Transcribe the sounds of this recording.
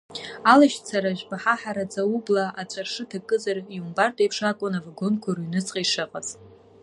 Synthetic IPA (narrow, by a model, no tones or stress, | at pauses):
alaʃt͡sʰaɾaʒbaħaħaɾat͡sʼaublaʔat͡ʃʷʼarʂɨtʰakʼɨzarjumbartʼepʰʂakʷʼʊnavaɡonkʷʰaɾuɥnɨt͡sʼqʼajʂɨqʼaz̥